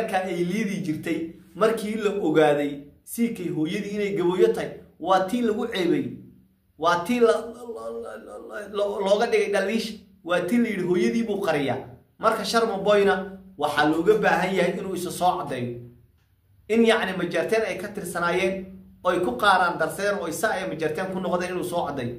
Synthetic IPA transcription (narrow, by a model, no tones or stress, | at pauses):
kʰɐɛjliːðiːt͡ʃɪrt̪ʰɛjmɐrkʰiːlɐʔɔɣaːðɛj | siːkʰɛjɦɔːjɐðiːɪnɛjɡɐβɔːjɐt̪ʰɐjwɑːt̪ʰiːlɐɣʊʕɛːβɛj | wɑːt̪ʰiːlɐ | lɔːɣɐɖɪɣɛjɖɐliːʃ | wɑːt̪ʰiːnlɐjɪɽɪɦɔːjɐðiːβuːqɑɾɪja̰ː | mɐrkʰɐʃɐrmɐbɔjnɐwɑħɑlɔːɣɐbaːɦɐnjɐɦɛjɪnuːɪsɐsɔːʕɑd̪ɛːjɔ | ʔɪnjɑʕnɪmɐt͡ʃɛrt̪ʰɛːnɛjkʰɐt̪ʰɪrsɐnaːjɛːn | ɔːɛjkʰʊqɑːɾaːnd̪ɐrsɛːɾɔːɪsɐjɛmɐt͡ʃɐrt̪ʰɛːŋkʰʊnɔqðɛːnɪnuːsɔːʕɑd̪ɛjɔ